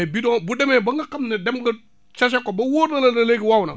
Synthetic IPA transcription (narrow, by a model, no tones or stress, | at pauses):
bidɔ̃budɛmɛbɐŋɡɐkɐmnɐdɛmɡɐ | t͡ʃɐs̬ɛkːɔbɐwoːɾnɐlɐnɐleɡiwawnɐ̰